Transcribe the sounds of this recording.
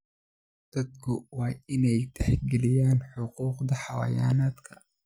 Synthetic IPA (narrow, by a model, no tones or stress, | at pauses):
d̪̥ɐd̪kʰʊwɑːɪnɛjt̪ʰɛħɡɛlɪjaːnħʊquːqd̪ɐħɑwɐ̰ja̰ːnaːd̪kʰɐ̥